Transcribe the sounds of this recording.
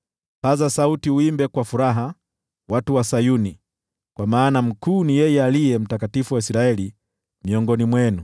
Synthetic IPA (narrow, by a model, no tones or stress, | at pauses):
pazasautiuimbɛkwafuɾaɦa | watuwasajuni | kwamaːnam̩kuːnijɛjɛalijɛm̩takatifuwaisɾaɛli | miɔŋɡɔnimwɛnu